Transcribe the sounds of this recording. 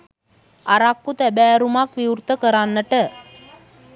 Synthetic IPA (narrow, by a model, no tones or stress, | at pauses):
aɾakːut̪æbæːɾumakʋiurt̪əkəɾanːəʈə